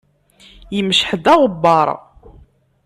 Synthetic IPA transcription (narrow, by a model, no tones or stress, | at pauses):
jəmʃħəd̪ɑʁˤəbːɑɾˤ